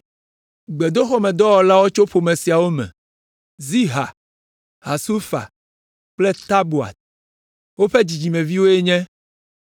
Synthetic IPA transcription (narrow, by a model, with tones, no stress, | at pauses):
ɡ͡bɛ˨d̪o˦xɔ˦mɛ̃˨d̪ɔ˦wɔ˨la˦wo˦t͡ʃo˦ɸo˨mẽ˨si˨a˨wo˦mɛ̰̃˨ | zi˦ɦa̰˨ | ha˨su˦fa̰˨ | k͡plɛ˦t̪a˦bu˨a̰˨t̪̚ | wo˦ɸɛ˦d͡ʑi˨d͡ʑi˨mɛ̃˨vi˦wo˦e˦ɲɛ̃˦